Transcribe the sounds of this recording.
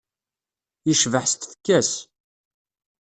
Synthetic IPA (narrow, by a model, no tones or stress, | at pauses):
jiʃvəħst̪θə̥kːæs